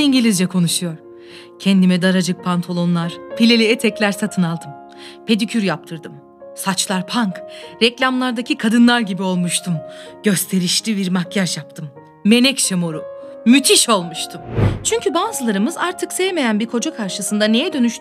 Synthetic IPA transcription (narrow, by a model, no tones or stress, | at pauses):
iɲɟilʲizd͡ʒɛkʰo̞nuʃujo̞ɾ̥ | cʰɛnd̪imɛd̪aɾad͡ʒɯk̚pʰant̪ʰalˠo̞nlˠaɾ̥pʰilʲelʲejɛt̪ʰɛclʲæɾsat̪ʰɯnalˠd̪ɯm | pʰe̞d̪ycʰyɾjap̚t̪ʰɯɾd̪ɯm | sat͡ʃlˠaɾpʰaŋkɾɛclʲamlˠaɾd̪acʰikʰad̪ɯnlˠaɾɟibio̞lˠmuʃt̪ʰumɟ̥ø̞st̪ʰe̞ɾiʃlʲiviɾmakjaʃjap̚t̪ʰɯmː | e̞nɛcʃemoɾumyt̪ʰiʃo̞lˠmuʃt̪ʰumt͡ʃʰyɲcʰybaːzɯlˠaɾɯmɯzaɾt̪ʰɯksɛjme̞jænbiɾkʰo̞d͡ʒakʰaɾʃɯsɯnd̪ane̞jɛd̪ø̞nyʃt̪